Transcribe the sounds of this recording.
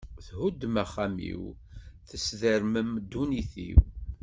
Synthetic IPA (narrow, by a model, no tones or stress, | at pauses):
θɦud̪mæχæmḭw | θəsðəɾməmd̪ːuniθḭw